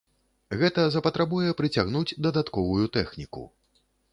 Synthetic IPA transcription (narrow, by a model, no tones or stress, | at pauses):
ɣɛt̪ɐzɐpɐt̪ɾabujɛpɾɨt͡sʲaɣn̪ud͡zʲd̪ɐd̪at̪kɔvujut̪ɛxnʲikṵ